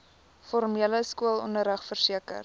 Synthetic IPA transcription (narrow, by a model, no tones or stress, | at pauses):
fɔrmiələskuəlˠɔnəɾəχfərsiəkə̰r